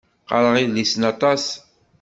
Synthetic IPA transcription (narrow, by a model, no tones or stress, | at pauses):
qɑ̰ɾəʁiðlisənɑt̪ˤɑs